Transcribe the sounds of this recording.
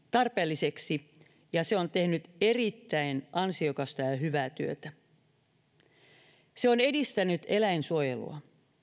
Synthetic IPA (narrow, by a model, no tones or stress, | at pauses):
t̪ɑrpeːlːiseksi | jɑseo̞nt̪e̞hnyt̪e̞rit̪ːæjnʔɑnsio̞kɑst̪ɑjɑɦyʋæːt̪yøt̪æ | seo̞ne̞dist̪ænyt̪e̞læjnsuojḛlṵɑ